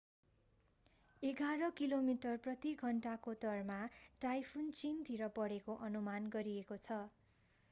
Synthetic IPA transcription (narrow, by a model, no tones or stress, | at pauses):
eɡaɾʌkilomiʈʌrprʌt̪iɡʱʌɳʈakot̪ʌrmaʈajpʰunt͡sint̪ʰiɾʌpʌɽekoʔʌnumanɡʌɾiekot͡sʰʌ